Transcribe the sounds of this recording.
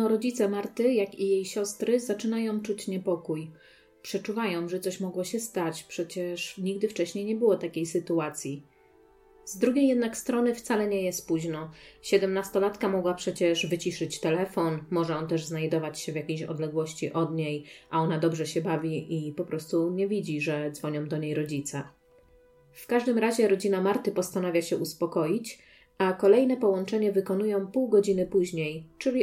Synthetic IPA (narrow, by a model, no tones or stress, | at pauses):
ɔɾɔd͡ʑit̪sɛmaɾt̪ɘjakijejɕɔst̪ɾɘzat͡ʂɘnajɔ̃w̃t͡ʂut͡ɕɲɛpɔkuj | pʂɛt͡ʂuvajɔ̃w̃ʐɛt̪sɔɕmɔɡwɔɕɛst̪at͡ɕpʂɛt͡ɕɛʂɲiɡ̚d̪ɘft͡ʂɛɕɲejɲɛbɘwɔt̪akʲejsɘt̪uat̪sʲji | zd̪ɾuɡʲejɛd̪nakst̪ɾɔnɘft̪salɛɲɛjɛst̪̚puʑnɔɕɛd̪ɛmnast̪ɔlat̪kamɔɡwapʂɛt͡ɕɛʂvɘt͡ɕiʂɘt͡ɕt̪ɛlɛfɔnmɔʐɛɔnt̪ɛʐznajd̪ɔvat͡ɕɕɛvʲjakʲejɕɔ̰d̪lɛɡwɔɕt͡ɕiʔɔd̪ɲejʔaɔnad̪ɔbʐɛɕɛbavʲiʔipɔpɾɔst̪uɲɛvʲid͡ʑiʐɛd̪zvɔɲɔ̃w̃d̪ɔɲejɾɔd͡ʑit̪sa | fkaʐd̪ɘmɾaʑɛɾɔd͡ʑinamaɾt̪ɘpɔst̪anavʲjaɕɛʔuspɔkɔjit͡ɕ | akɔlɛjnɛpɔwɔnt͡ʂɛɲɛvɘkɔnujɔ̃w̃puwɡɔd͡ʑinɘpuʑɲejt͡ʂɘlʲi